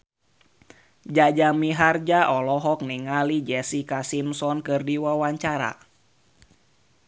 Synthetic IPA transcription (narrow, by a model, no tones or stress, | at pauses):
d͡ʒad͡ʒamiɦard͡ʒaʔɔlɔɦɔk̚niŋalid͡ʒɛsikasimsɔnkɨrdiwawaɲt͡ʃaɾa̰